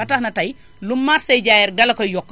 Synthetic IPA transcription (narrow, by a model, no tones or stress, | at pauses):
ɐtɐxnɐtɐj | lumːaɾsɐjɟaːjɛɾɡɐlɐkɔjɔkː